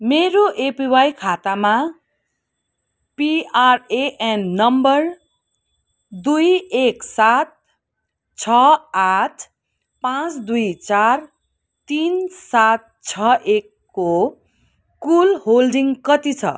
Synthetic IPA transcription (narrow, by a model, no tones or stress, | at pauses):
meɾoʔepiwajkʰat̪ama | piareʔenːʌmbʌr | d̪ujeksat̪̚ | t͡sʰʌatʰ | pãt͡sd̪ujt͡sar | t̪insat̪̚t͡sʰʌʔekːo | kulɦolɖiŋkʌt̪it͡sʰʌ̰